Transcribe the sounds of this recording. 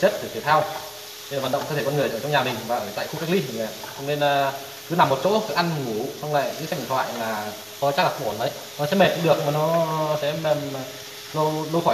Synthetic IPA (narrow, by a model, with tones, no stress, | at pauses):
t͡ɕə˦˥t̚t̪ʰə˨˧˩fi˨˧˦t̪ʰaː˧w | lva˨˩ɗə˧˨wŋ͡m̪ʰt̪ʰe˧˩kɔ˧nɨ˨˩əjt͡ɕəː˧˩t͡ɕɔ˧ŋ͡mɲaː˨˩mï˨˩ŋ̟vaː˨˩a˨˩jta̰ː˧˨jk̪ʰu˧kaː˦˥k̚lḭ˧˥˨ə˨˩ | t͡ɕɔ̰˧ŋ͡mne˧nː˨˩ | kɨ˨˦na˨˩mːo˨˩t̚t͡ɕo̰˧˥˧kɨ˨˦˥ʔa˧nŋu˨˩˦sɔ˧wŋ͡mla̰ː˧˨jkɨ˧˥ka˧˥˩t̪ʰwa̰ː˧˨jlaː˨˩ | kɔ˧˦t͡ɕa˦˥klaː˨˩˦nʔə˨˦j | nɔ˨˦sɛ̰˧˥me˨˩t̚ɗḭ˧˥ɗɨ˨˩ək̚maː˨˩nɔ˨˦sɛ̰˧˥˧ | lo˧wlə˧wxɔ˧˩